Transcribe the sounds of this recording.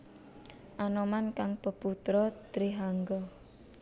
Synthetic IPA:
ʔanɔmankaŋpəput̪ɾɔt̪ɾiɦaŋɡɔ

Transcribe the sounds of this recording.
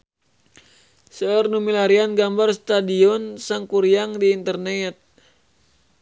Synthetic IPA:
səərnumilaɾianɡambarst̪adiɔnsaŋkuɾiaŋdiːnt̪ərnɛt̪̚

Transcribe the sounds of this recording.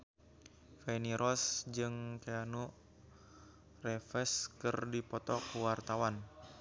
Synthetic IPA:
feniɾʔɔsd͡ʒɨŋkeanu | rɛfɛskɨrdipɔt̪ɔkuwart̪awan

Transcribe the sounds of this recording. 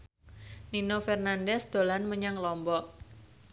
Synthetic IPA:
ninofɛrnandɛsd̪̥o̤lanməɲaŋlɔmbɔʔ

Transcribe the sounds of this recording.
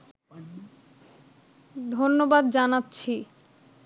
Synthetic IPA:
d̪ʱonːobad̪d͡ʑanatːɕʰi

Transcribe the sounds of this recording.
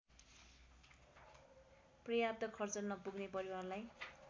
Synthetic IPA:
prʌjap̚t̪ʌkʰʌrt͡sʌrnʌpuɡnepʌɾiwarlaj

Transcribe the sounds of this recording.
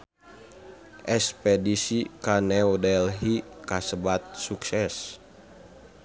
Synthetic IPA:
ʔɛspɛdisikanɛodɛlɦikasəbat̪̚suksɛs

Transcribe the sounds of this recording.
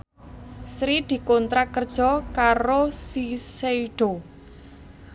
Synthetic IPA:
sɾid̪̥i̤kont̪ɾakərd̥ʒ̥ɔ̤kaɾosiseiɖ̥o

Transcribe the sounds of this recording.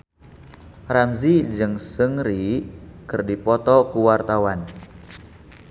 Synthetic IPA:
ramzid͡ʒɨŋsəŋɾikɨrdipɔt̪ɔkuwart̪awan

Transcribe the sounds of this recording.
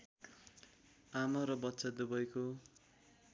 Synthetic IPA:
amʌɾʌbʌtːsad̪ubʌjko

